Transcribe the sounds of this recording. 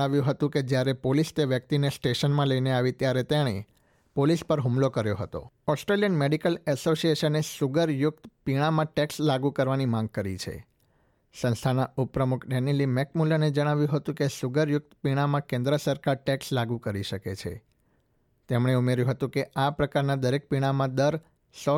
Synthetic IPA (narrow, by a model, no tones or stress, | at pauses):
aʋjũɦət̪ũked͡ʒjaɾepolist̪eʋjək̚t̪inesʈeʃənmãləineaʋit̪jaɾet̪eɽ̃e | polispəɾɦumlokəɾjoɦət̪o̰ | ɔsʈɾelijənmeɖikəlɛsosieʃənesuɡəɾjʊk̚t̪piɽ̃amãʈɛkslaɡukəɾʋanimãŋɡ̚kəɾḭt͡ʃʰḛ | sə̃nst̪ʰanaupɾəmukʰɖenilimɛkmuləned͡ʒəɽ̃aʋjũɦət̪ũkesuɡəɾjʊk̚t̪piɽ̃amãkẽnd̪ɾəsəɾkaɾʈɛkslaɡũkəɾiʃəket͡ʃʰḛ | t̪emɽeumeɾjũɦət̪ũkeʔapɾəkaɾnad̪əɾek̚piɽ̃amãd̪əɾ | sɔ